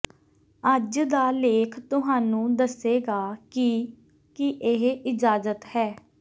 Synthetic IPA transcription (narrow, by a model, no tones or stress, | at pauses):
əd͡ʒd̪aːleːkʰt̪ʊɦaːnũːd̪əseːɡaːkɪ | kɪʔɪɦɪd͡ʒaːzət̪hɛː